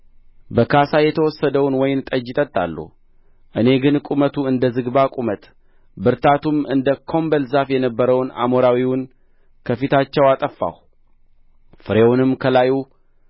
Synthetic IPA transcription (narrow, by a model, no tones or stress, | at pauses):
bəkʰasajɛt̪ʰəwɔsːəd̪əwnwɔjɪnt̪ʼəd͡ʒɪt̪ʼət̪ʼːa̰lːṵh | ʔɨne̞ɡɨnkʼumət̪ʰuɨnd̪əzɨɡbakʼumət̪ʼ | bɨɾt̪ʰat̪umɨnd̪əkʰo̞mbəlzafjɛnəbːəɾəwna̰moɾawiwʊn | kʰəfit̪ʰat͡ʃːɛwat̪ʼəfːa̰w | fɨɾewunɨmːkʰəlaju